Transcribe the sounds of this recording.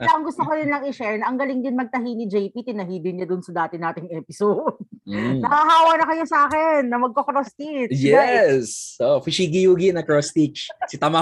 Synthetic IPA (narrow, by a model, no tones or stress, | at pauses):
ɐŋɡʊst̪okod̪ɪnlɐŋɪʃɛɹnʔɐŋɡɐlɪŋd̪ɪnmɐɡ̚t̪ɐɦiːnɪd͡ʒɛjpit̪ɪnɐɦiːd̪ɪnɲɐd̪ʊnsɐd̪aːt̪ɪnːaːt̪ɪŋɛpɪsod̪̚nɐhaɦaːwɐnɐkɐjosɐʔaːkɛnːɐmɐɡ̚kokɾost̪ijɛsofɪʃiɡɪjuːɡɪnɐkɹost̪it͡ʃsɪt̪ɐma